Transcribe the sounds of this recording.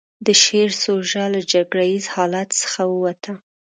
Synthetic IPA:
d̪əʃeɾsoʒɑlad͡ʒaɡɽajizhɑlat̪sə̥xawəwat̪ʰa

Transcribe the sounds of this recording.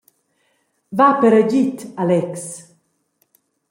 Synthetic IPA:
vapəɾəɟit̪alɛks

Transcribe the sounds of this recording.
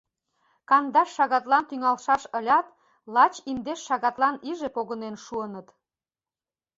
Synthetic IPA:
kɑnd̪ɑʃːɑɣɑt̪lɑnt̪yŋɑlʃɑʃəlʲɑt̪ | lɑt͡ɕimd̪eʃːɑɣɑt̪lɑniʒepoɣənenʃuənət̪

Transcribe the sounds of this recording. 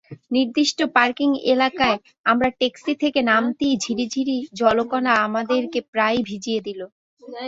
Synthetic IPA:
niɾd̪iʃʈopaɾkiŋḛlakae | amɾaʈeksit̪ʰekenamt̪id͡ʑʱiɾid͡ʑʱiɾid͡ʑɔlokɔnaamad̪eɾkepɾajbʱid͡ʑied̪ilo

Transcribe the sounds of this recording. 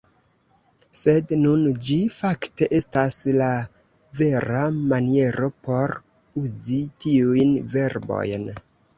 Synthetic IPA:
se̞dnund͡ʒifakte̞ʔe̞stasla | ve̞ɾamanie̞ɾʔo̞po̞ɾ | uzitiujnve̞ɾbo̞̰jn

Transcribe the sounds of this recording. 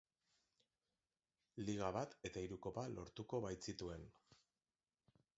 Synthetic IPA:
liɣ̞aβat̪e̞t̪aiɾuko̞palo̞̰ɾt̪uko̞βajt͡sit̪ue̞n

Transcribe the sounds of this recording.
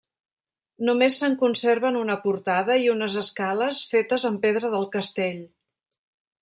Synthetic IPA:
numesːəŋkunseɾβənunəpuɾt̪aðəiunəzəskaləsfet̪əzəmpeðɾəðəlˠkəst̪eʎ

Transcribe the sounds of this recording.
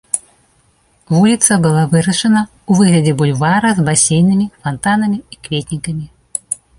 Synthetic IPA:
vulʲit̪sɐbɨlˠavɨɾɐʂɐnɐ | uvɨɣlʲɐd͡zʲɛbulʲvaɾɐzbasʲejnɨmʲifant̪anɐmʲiikvʲet̪ʲnʲikɐmʲi

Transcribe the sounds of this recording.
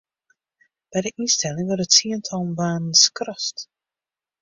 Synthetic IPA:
b̥ɛjdəʔinstɛlɪŋʋərdətsiəntʰɔlˠmʋaːnn̩skrɔst

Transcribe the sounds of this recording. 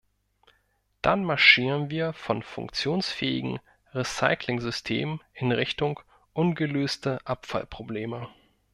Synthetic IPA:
d̥anmaɐʃiːʁənviːɐfɔnfʊ̰ŋkt͡sjoːnsfɛːɪ̰ɡŋ̩ | ʁisa̰ɪklɪŋzʏstʰḛːməʔɪnʁɪçtʊŋ | ʔʊnɡəløːstəʔapfa̰lpʁ̥obleːmə

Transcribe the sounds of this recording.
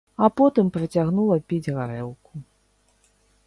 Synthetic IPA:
apɔt̪ɨmpɾɐt͡sʲaɣnulˠɐpʲid͡zʲɣaɾɛwku̥

